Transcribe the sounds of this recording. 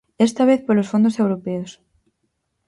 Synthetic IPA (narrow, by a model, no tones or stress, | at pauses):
est̪aβ̞eθpolosfo̞nd̪ose̞wɾopeos